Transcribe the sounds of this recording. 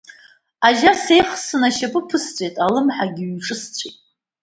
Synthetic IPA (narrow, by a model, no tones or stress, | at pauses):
aʒase̞jχsɨnaʃapʼɨpʰɨst͡sʷʼejtʼalɨmħaɡʲɪɥɥʈ͡ʂʼɨst͡sʷʰʼḛjtʼ